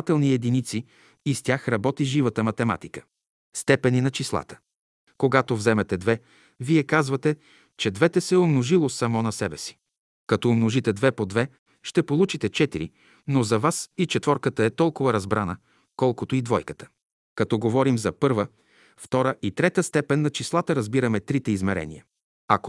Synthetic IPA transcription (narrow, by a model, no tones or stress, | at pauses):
at̪ɛlˠniɛd̪init̪siː | st̪ʲaxɾɐbɔt̪iʒivət̪əmɐt̪ɛma̰t̪ikə̥ | st̪ɛpɛninɐt͡ʃislˠa̰t̪ə̥ | koɡat̪ovzɛmɛt̪ɛd̪vɛ | viɛkazvɐt̪ɛ | t͡ʃɛd̪vɛt̪ɛsɛomnoʒilˠosɐmɔnɐsɛbɛsi̥ | kɐt̪ɔːmnoʒit̪ɛd̪vɛpod̪vɛ | ʃt̪ɛpolˠut͡ʃit̪ɛt͡ʃɛt̪iɾḭ | nozɐvasit͡ʃɛt̪vɔɾkət̪əɛt̪ɔlˠkʊvɐɾɐzbɾanə | kɔlˠkot̪oid̪vɔjkə̥t̪ə̥ | kɐt̪ɔɡovɔɾimzɐpɤɾvə | ft̪ɔɾəʔit̪ɾɛt̪əst̪ɛpɛnːɐt͡ʃislˠat̪əɾɐzbiɾɐmɛt̪ɾit̪ɛizmɛɾɛ̰nḭjə | ɐko